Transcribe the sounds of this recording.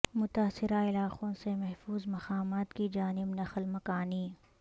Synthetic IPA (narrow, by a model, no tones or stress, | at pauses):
mʊt̪aːsɪɾaɪlaːqõsemɛɦfuːzmɐqaːmaːt̪kid͡ʒaːnɪbnɐxlmɐkaːniː